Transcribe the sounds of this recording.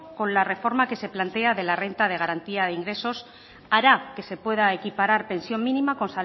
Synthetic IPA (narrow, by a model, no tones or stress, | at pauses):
ko̞nlare̞fo̞ɾmake̞se̞plant̪e̞aðe̞lare̞nt̪að̞e̞ɣ̞aɾant̪iaðeiŋɡɾe̞so̞s | aɾake̞se̞pwe̞ð̞aekipaɾaɾpe̞nsjo̞mmĩnimako̞nsa